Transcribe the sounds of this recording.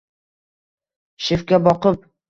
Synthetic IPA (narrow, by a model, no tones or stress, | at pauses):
ʃefkʲabɒqɤp̚